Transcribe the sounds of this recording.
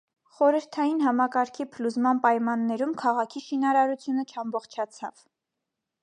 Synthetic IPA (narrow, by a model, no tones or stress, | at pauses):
χɔɾəɾt̪ʰɑjinɦɑmɑkɑɾkʰipʰəluzmɑnpɑjmɑnːɛɾumkʰɑʁɑkʰiʃinɑɾɑɾut͡sʰjunət͡ʃʰɑmbɔχt͡ʃʰɑt͡sʰɑ̰v